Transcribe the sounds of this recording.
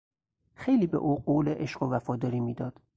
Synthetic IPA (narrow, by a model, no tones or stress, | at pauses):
xejliːbḛʔuːɢoːleʔeʃɢovæfɒːd̪ɒːɾiːmiːd̪ɒːd̪̥